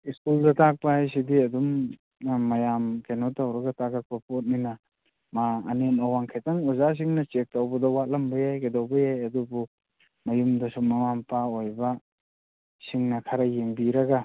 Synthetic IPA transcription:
iskuldɐtak̚pɐhajs̬idiɐdum | mːɐjamkenotawɾɐɡɐtaɡak̚pɐpot̚ninɐ | ma̰ːnenɐwaŋkʰetaŋɔzas̬iŋnɐt͡ʃek̚tawbɐdɐwat̚lɐmbɐjajkedawbɐjajɐdubu | mɐjumdɐsumɐŋampaojbɐ | siŋnɐkʰaɾɐjembiɾɐɡa

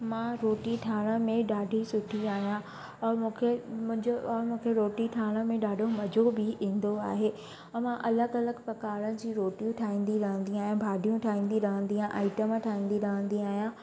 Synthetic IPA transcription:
mãɾoːʈiʈʰaːɽ̃əmẽɗaːɖʱisʊʈʰiaːɦjã | ɔːɾmũːkʰem̃d͡ʑɔːɾmũːkʰeɾoːʈiʈʰaːɽ̃əmẽɗaːɖʱomɐd͡ʑobɪĩːn̆d̪oa̰ːɦeː | ɔmãʔɐləɡɐləɡpɐkaːɾənɪ̆d͡ʑiːɾoːʈijũʈʰaːĩːn̆d̪iɾɐɦə̃nd̪iaːɦijãbʱaːɖʱijũʈʰaːĩːnd̪iɾɐɦə̃nd̪iãʔaːɪʈəmʈʰaːĩːn̆d̪iɾɐɦə̃nd̪iaːɦijã

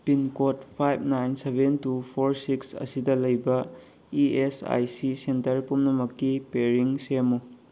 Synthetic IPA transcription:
pinkotpʰajb̚ʱnajnsebʱentupʰoɾsiksɐ̰sidɐlɐjbɐ | iesa̰jsisentɐɾpumnɐmɐkːipeɾiŋsemu

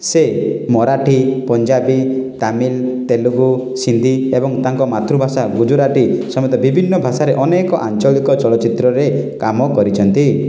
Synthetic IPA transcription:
semɔɾaʈʰipɔɲd͡ʒabit̪amilt̪eluɡu | sind̪ʱiebɔŋt̪aŋkɔmat̪ɾubʱasaɡud͡ʒuɾaʈisɔmɔt̪ɔbibʱinːɔbʱasaɾeʔɔnekɔʔant͡ʃɔɭikɔt͡ʃɔɭɔt͡ʃit̪ɾɔɾe | kamɔkɔɾit͡ʃʰɔnt̪i

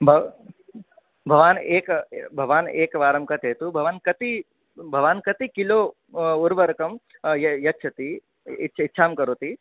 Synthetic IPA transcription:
bʱɐ | bʱɐʋaːneːkbʱɐʋaːneːkʋaːɾɐmkɐt̪ɦeːt̪ubʱɐʋaːnkɐt̪i | bʱɐʋaːnkɐt̪ikiloː | uɾʋɐɾkɐmjjɐtːt͡ʃʰɐt̪i | itːt͡ʃʰitːʃʰaːmkɐɾot̪i

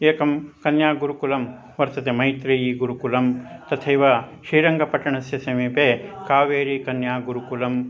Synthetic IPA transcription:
eːkɐmkɐnjaːɡuɾukulɐm | ʋɐɾt̪ɐt̪emɐjt̪ɾijiːɡuɾukulɐmt̪ɐt̪ʰɐjʋaʃɾiːɾɐŋɡɐpɐʈːɐɳɐsjɐsɐmipekaːʋeːɾikɐnjaːɡuɾukulɐm

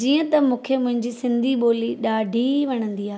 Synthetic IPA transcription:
d͡ʑiːə̃t̪ɐmũːkʰemʊ̃ɦɪ̃ɲd͡ʑisɪ̃nd̪ʱiɓoːliɗaːɖʱiʋɐɽ̃ə̃nd̪iaː

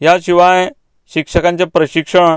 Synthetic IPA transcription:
jaɕiʋaj | ɕikʂəkãɲt͡ɕjapɾəɕikʂəɳ̃

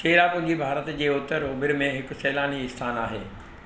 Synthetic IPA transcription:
keːɽapɐ̃ɡibʱaːɾət̪d͡ʑeːʊt̪əɾoːbɪɾmẽɦɪkʊ̆sɛːlaːniɪst̪ʰaːnaːɦḛː

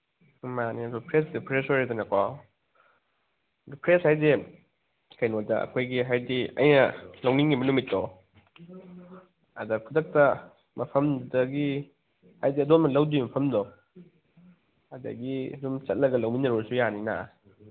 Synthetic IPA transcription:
maniɐdupʰɾesdupʰɾesojɾadɐnɐkwaw | dupʰɾeshajde | kʰɐjnodɐɐ̰kʰojɡiɦajdiɐ̰jnɐlɐwniŋɡimɐlumitːɔ | ɐdɐkʰudɐk̚tɐ | mɐpʰɐmdɐɡi | hajdiɐdotmɐlɐwdimɐpʰɐmdɔ | ɐdɐ̰ɡiɐdumt͡ʃɐt̚lɐɡɐlawniŋnɐɾoɾsujanina̰

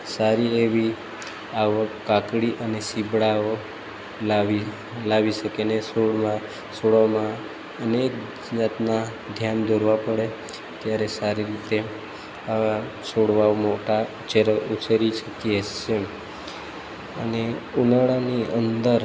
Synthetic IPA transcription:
saɾieʋi | aʋəkːakɽiʔənesibɽao | laʋi | laʋiʃəkenesoɽmã | soɽomã | ənek̚ | d͡ʒat̪na | d̪ʱjand̪ʱoɾʋapəɽe | t̪jaɾesaɾiɾit̪e | aʋa | soɽʋaomoʈa | t͡ʃeɾəʔut͡ʃeɾit͡ʃʰəkiet͡ʃem | ə̰neunəɭaniənd̪əɾ

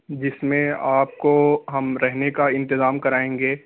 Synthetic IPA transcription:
d͡ʒɪsmẽaːp̚koɦɐmɾɛɦnekaɪ̃nt̪ɪzaːmkɐɾaːẽːŋɡeː

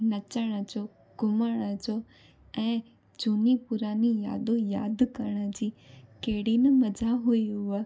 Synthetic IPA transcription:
nɐt͡ɕəɽ̃ə̆d͡ʑo | ɡ̥ʊməɽ̃əd͡ʑo | ɛ̃ː | d͡ʑuːnipʊɾaːnija̰ːd̪oja̰ːd̪kɐɾəɽ̃ə̆d͡ʑiːkeɦɪɽinəmɐd͡ʑʱaɦuiɦʊə

